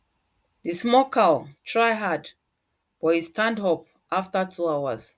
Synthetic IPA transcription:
dismɔkʰaltʰɹajɦad | b̥ɔhistʰãndɦɔp̚ | ʔaftətʰuawəz

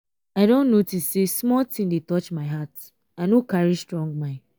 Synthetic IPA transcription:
aɪdõnːotissesmɔltĩŋdetɔt͡ʃmaɪɦat | anokaɹistɹɔ̃ŋɡ̚mãn

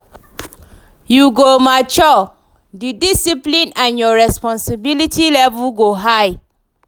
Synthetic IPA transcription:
juɡomat͡ʃɔ | didisiplĩnãnjɔɹɛspɔ̃nsibilitʰilɛvuɡoɦaɪ

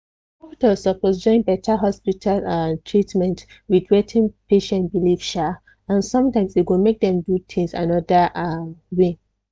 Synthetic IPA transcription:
ɔpitasɔpɔsd͡ʒɔ̃ɪ̃nbɛtʰaɦɔspitʰaltʰɹitmɛ̃nt | widwɛtʰĩŋpeʃɛ̃ntbilifʃa | ãnsɔ̃mtãɪ̃msiɡõnmek̚dɛ̃mdut̪ʰĩŋsã̰nɔdəʔawe

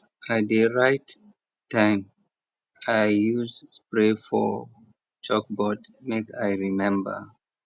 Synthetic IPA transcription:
at̚ðəɹaɪtː | ãɪ̃m | ajjuzspɹefɔ̰ | t͡ʃɔk̚bɔtmekajɹimɛ̃mbə̰˞

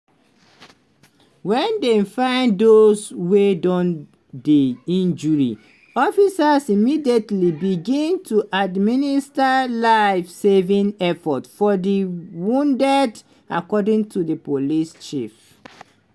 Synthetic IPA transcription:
wɛ̃ndefãɪ̃ndoswedɔ̃n | diĩnd͡ʒuɹḭ | ɔfisasimidietlibiɡĩntʰuʔadministalaɪfsevĩnɛfɔtfɔdiwũndɛd | a̰kɔdĩŋtʰudipolist͡ʃḭf

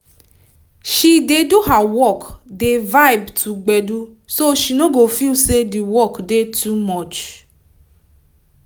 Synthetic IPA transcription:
ʃideduɦawɔkdevajbtʰuɡ͡bɛdu | soʃinoɡofilsediwɔkdetumɔt͡ʃ

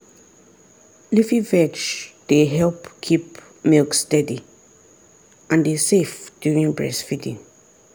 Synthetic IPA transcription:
lifivɛt͡ʃd̥eɦɛlpkʰip | milkstɛdi | ʔãndesefd̥juɹĩŋbɹɛ̰sfidḭ̃ŋ

